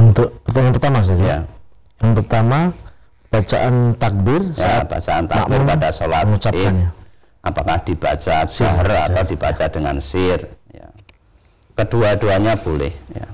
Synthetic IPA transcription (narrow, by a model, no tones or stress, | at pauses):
unt̪ʊʔpərt̪amapərt̪amasəd̪aɾia | jaŋpərt̪ama | b̥at͡ʃaʔant̪ak̚bɪrsjaʔab̥a̰t͡ʃaa̰nt̪a̰ma̰ʔmʊnpadasolaŋut͡ʃapkanja | apakahd̥ib̥a̰t͡ʃasɪɦəra̰awdib̥a̰t͡ʃad̥əŋansɪrja̰ | kəd̥uaduaɲab̥olɛ̰hja̰